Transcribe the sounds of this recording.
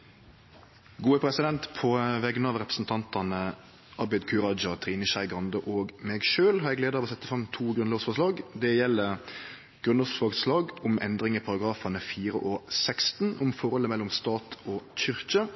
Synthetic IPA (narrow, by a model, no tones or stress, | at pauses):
ɡuːəpʰɾɛsɪd̪ɛnt̪pʰɔʋɛɡnɑːʋɾɛpəsn̩t̪ʰɑnt̪ɑnə | ʔɑbɛd̪kʰʉɾɑd͡ʒɑt̪ʰɾiːnəʃæɪɡɑnd̪əʔoːɡmɛːɡʃøːlhɑɾɛːɡleːd̪əɾɑʋɔːsɛt̪ːəfɾɑmt̪ʰuːɡɾʉnloːsfɔʂlɑːɡd̪ɛjɛlːə | ɡ̥ɾʉnoːsfɔɑːɡslɑːɡʊmʔɛ̰nd̪ɾɪŋəpʰɑɾɑɡɾɑːfɑnəfiːɾə̰ʔosɛkst̪nʊmfɔɾɔlːəmɛlːɔʊmst̪ɑːt̪ʰoːçʏɾkə